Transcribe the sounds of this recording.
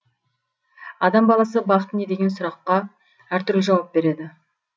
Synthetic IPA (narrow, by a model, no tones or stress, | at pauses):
ɑd̪ɑmbɑlˠɑsəbɑqət̪əned̪e̞ɡʲe̞nsʊɾɑqːɑ | æɾt̪ʏɾlɪʒɑwɑp̚be̞ɾe̞d̪ɪ